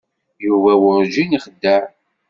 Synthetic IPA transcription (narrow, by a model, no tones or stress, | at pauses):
juvæwʊɾʒiniχəd̪ːəɾ